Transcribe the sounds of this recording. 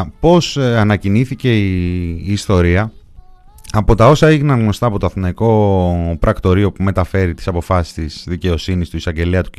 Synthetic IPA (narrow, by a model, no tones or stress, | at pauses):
po̞sɐnɐciniθice̞iːst̪o̞ɾiɐ | ɐpo̞t̪ɐo̞sɐeʝinɐŋɣno̞st̪ɐːpo̞t̪oɐθnɐiko̞pɾɐkt̪o̞ɾio̞pume̞t̪ɐfe̞ɾit̪i̥sɐpo̞fɐsi̥st̪izðice̞o̞sinist̪uisɐɲɟe̞liɐt̪u̥